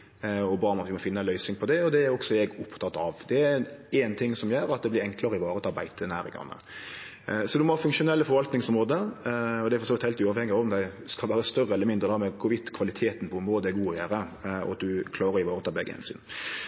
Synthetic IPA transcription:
ɔbɑːɾmɑt̪ʋɪmɔfɪnːəænlœʏsɪŋpʰɔd̪ɛɔd̪ɛæɾɔɡsɔɛɡʊpt̪ʰɑt̪ːɑʋd̪ɛæɾɛːnt̪ʰɪŋːsɔmjøːɾɑt̪d̪ɛblɪɾɛŋklɑɾəɪʋɑːɾət̪ɑɾbæɪt̪ʰənæːɾɪ̰ŋɑ̰nːə̰ | sɔd̪ʉmɔhɑːfʉŋkʂʊnɛlːəfɔɾʋɑlt̪nɪŋsɔmɾoːd̪əɔd̪ɛæɾfɔsɔːʋɪt̪hɛɪlt̪ʉːɑːʋhɛŋːɪɑɔmd̪æɪskɑlʋæːɾəst̪œrəɛləɾmɪnd̪ɾəd̪ɑmɛkʰʊɾʋɪt̪kʰʋɑlɪt̪ʰeːt̪npʰɔɛmɾoːd̪əɛɾɡuːɔjæːɾəɔ̰ɑt̪̚d̪ʉkʰlɑːɾəɾɪʋɑːɾət̪ʰɑːbɛ̰ɡːəhɛ̰nsy̰ːn

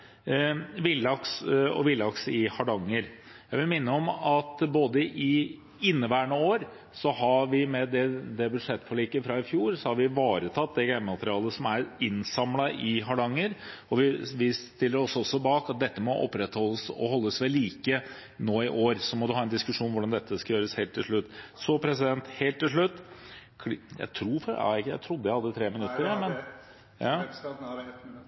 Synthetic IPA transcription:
ʋɪlɑksɔ̰ʋɪlːɑksɪhɑɖɑŋːəɾ | jæɪʋɪlmɪnːəɔmɑt̪boːd̪əʔɪ | ɪnːəʋæːəɳəoːɾ | sɔhɑʋɪmɛd̪ɛd̪ɛbʉʂɛt̪ːfɔɭiːkəfɾɑːɪfjuːɾsɔhɑɾʋɪʋɑːɾət̪ʰɑt̪̚d̪ɛɡæɪmmɑt̪əɾɪɑːlˠəsɔmæɾɪnsɑmlɑʔɪɦɑɖɑŋːəɾɔʋɪʋɪst̪ɪlːəɾɔsɔsːɔbɑːkɑt̪̚d̪ɛt̪ːəmɔʔɔ̰pːɾɛt̪hɔlːəsɔ̰ɦɔlːəsʋɛlːiːkə | noːɪʔoːɾsɔmɔd̪ʉhɑːɛnd̪ɪskʉʂuːnʋʊɖɑnd̪ɛt̪ʰːəskɑjøːɾəsheːlt̪ʰːɪlʂɭʉt̪ːsɔːpʰɾɛsɪd̪ɛnt̪heːlt̪ːɪlʂɭʉt̪ː | kʰjæ̰ɪt̪ʰɾuːfɑ̰jæ̰ɪt̪ʰɾʊd̪ːəjæɪhɑd̪ːət̪ʰɾeːmɪnʉt̪ːəɾmɛn | jɑː

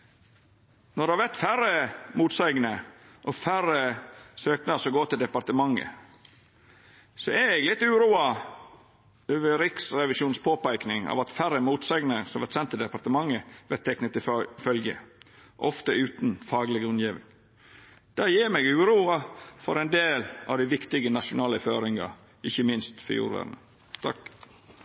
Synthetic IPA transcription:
nɔd̪ɛhɑʋɛt̪fæɾəmuːt̪sæɪɡnəʔɔfæɾəsøːknɑsɔɡoːt̪ʰɪld̪ɛpɑɾt̪əmɑŋːə̰ | sɔɛɾɛɡlɪt̪ːʉːɾuːɑ | øːʋəɾɪksɾɛʋɪʃuːnspʰoːpæɪknɪŋɑ̰ːʋɑt̪fæɾəmuːt̪sæɪɡnəsɔmʋæɾt̪sɛnt̪ʰːɪld̪ɛpɑɾt̪əmɑŋːəʋæt̪ʰːɛknət̪ːɪfœlɡə̰ʔɔft̪əʉːt̪nfɑːɡlɪɡəʉnjiːʋɪ̰ŋ | d̪̥ɑːjiːɾmɛɡʉːɾuːɑfɔɾɛnd̪eːlɑ̰ʋd̪æɪʋɪkt̪ɪɡənɑʂʊnɑːləfø̰ːɾɪŋɑ̰ | ɪçːəmɪnst̪fɔ̰jṵːɾʋæ̰ːdnə | t̪ʰɑ̰k

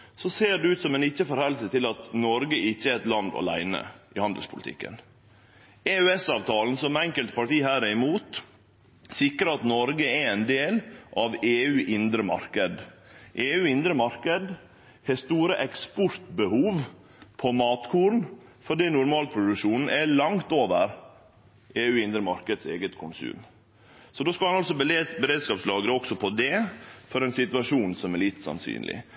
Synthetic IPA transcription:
sɔseːɖɛʉːt̪sɔmɛnɪçːəfɔɾhɛlsət̪ʰɪlɑt̪nɔɾɡəɪçːəɛɛt̪lɑnd̪ɑ̰læ̰ɪnə̰ʔɪhɑnd̪əlspʰʊlɪt̪ʰɪ̰kːə̰n | eːøɛsɑːʋt̪ʰɑːln̩sɔmɛŋkəlt̪̚pʰɑʈiːɦæːɾɪmuːt̪ | sɪkɾəɾɑt̪nɔɾɡəɛɛɪnd̪eːlʔɑʋeːʉːʔɪnd̪ɾəmɑ̰ɾkəd̪ʔeːʉːɪnd̪ɾəmɑɾkəd̪ | hɛst̪uːɾəʔɛkspɔɾt̪bəhuːʋ | pʰɔmɑːt̪kʰuːɾnfɔɖiːnʊɾmɑːləpʰɾʊd̪ʉkʂuːnn̩ʔɛlɑŋt̪oːʋəɾ | ʔeːʉːɪnd̪ɾəmɑɾkəd̪sḛːɡət̪kʰʊnsʉ̰ːm | sɔd̪oːskɑlhɑnɑlsɔbbəɾeːd̪skɑːpslɑːɡəɾəɔksɔpʰɔd̪ɛfɔɾɛnsɪt̪ʋɑʂuːnsɔmɛɭɪt̪ːsɑ̰nsy̰ːnlʔɪ̰

